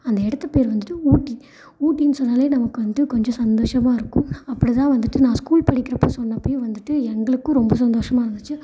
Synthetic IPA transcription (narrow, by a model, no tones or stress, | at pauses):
ɐnd̪ɐɛɽɐt̪ːɐpeːɾʋɐnd̪ɯʈːɯuːʈːi | uːʈːinsɔnːaːleːnɐmɐkːɯʋɐnd̪ɯkɔɲd͡ʒɔ̃sɐnd̪oːʂɐmaːɪɾɯkːʊ̃ɐpːɐɽit̪ãːʋɐnd̪ɯʈːɯnãːskuːlpɐɽɪkːɪɾɐpːoːsɔnːɐpːoːjʊ̃ʋɐnd̪ɯʈːɯɛŋɡɐɭɯkːɯ̃ɾɔmbɐs̬ɐnd̪oːʂɐmaːɪɾɯnd̪ɯt͡ʃːɯ